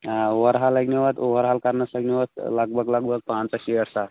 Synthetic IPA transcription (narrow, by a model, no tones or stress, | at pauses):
oʋəɾɦaləɡneʋət̪oʋəɾɦalkaɾnəsəɡneʋət̪ləɡ̚bʱəɡləɡ̚bʱəɡ̚pãnt͡saɕiəɽsa